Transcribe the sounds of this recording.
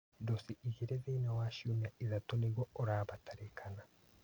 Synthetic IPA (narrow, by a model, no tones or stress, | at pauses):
dosiʔiɣeɾeðeinawaʃumaiðatoniɡwɔoɾaːβatʰaɾekʰana